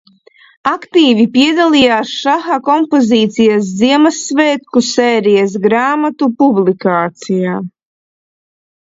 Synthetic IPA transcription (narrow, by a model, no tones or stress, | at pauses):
akt̪iːvipiɛd̪alˠijaːsʃaxakɔmpoziːt̪sijɐs̬d̪ziɛmasːveːt̪kusɛːɾijas̬ɡɾaːmat̪upublikaːt̪sijaː